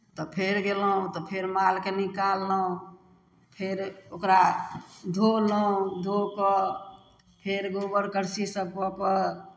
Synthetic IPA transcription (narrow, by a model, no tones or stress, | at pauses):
t̪ɔpʰeɾɡelɦũt̪ɔpʰeɾmalkenikalːəɦũ | pʰeɾokɾad̪ʱoləũd̪ʱokɔ | pʰeɾɡobəɾkəɾsisəb̚pɔpəɾ